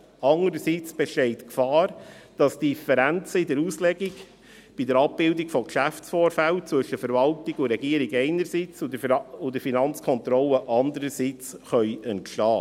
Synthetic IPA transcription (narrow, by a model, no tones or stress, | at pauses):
ɑŋəɾəsiːt͡sb̥ɛʃtɛɪtkfɑːɾd̥ɑsd̥ifəɾænt͡səidəɾuːslɛɡiɡ | b̥idəɾɑp̚b̥ɪldikfɔkʃæfsfoːɾfælt͡sʋɵʃəfəɾvɑltɪɡʊɾɛɡiəɾiɡɛɪnəɾsit͡sʊdəʊdəfinɑnt͡skʰɔnt̪ɾɔlːəʔɑndəɾəsit͡sχœʏəntʃlɑː